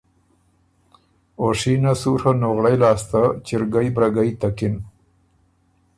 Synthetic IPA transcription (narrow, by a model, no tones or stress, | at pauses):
oʂinasuɾhanoɣɽajlɑːst̪at͡ʃɪɾɡajbɾaɡajt̪akɪn